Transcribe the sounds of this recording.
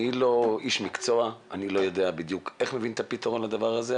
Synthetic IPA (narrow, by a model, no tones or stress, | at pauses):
ilo̞iʃmikt͡so̞aanilo̞jo̞d̪eabid̪jukeχme̞vint̪apit̪aʁonlad̪avaʁaze